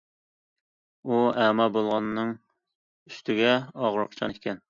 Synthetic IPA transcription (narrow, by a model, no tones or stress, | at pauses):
uæmɑbolˠʁɑnːɨŋ | yst̪ʰɪɡʲɛɑʁɾʊqt͡ʃʰɑ̰nkʲʰɛn